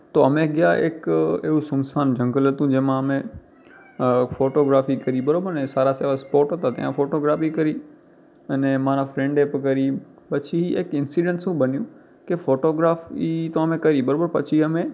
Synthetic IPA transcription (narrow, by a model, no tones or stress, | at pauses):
t̪oɐmẽɡɪjaḛkeɦusʊmsaːnd͡ʒɐ̃ŋɡələt̪ũd͡ʑɐ̃ɦmãɐmẽ | foːʈoːɡɾaːfikɐɾibɐɾoːbəɾẽsaːɾaseːʋaspoːʈət̪at̪ɐ̰̃jã̰foːʈoːɡɾaːfikɐɾi | ɐnɛ̃mãːnafɾẽːɳɖepkɐɾi | pɐt͡ʃʰiiekɪ̃nsiːɖẽɳʈsũːbɐnjũ | kefoːʈoːɡɾaːfit̪oɐmẽkɐɾibɐɾoːbəɾpɐt͡ʃʰiɐmẽ